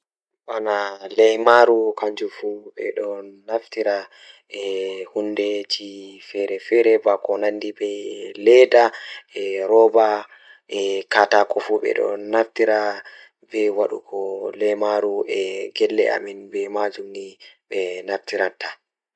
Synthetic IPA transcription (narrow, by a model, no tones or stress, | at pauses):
ɓanalɛjmaɾukaɲd͡ʒufuɓɛ̰ɗɔnaftiɾa | ɛhundɛt͡ʃifɛɾɛfɛɾɛbakɔnandibɛlɛdaɛɾɔba | ʔɛkatakɔfuɓɛ̰ɗɔ̰naftiɾa | bɛwaɗṵkʰɔlɛjmaɾuɛɡɛlːɛ̰ʔa̰minbɛmad͡ʒumniɓɛnaftiɾatːa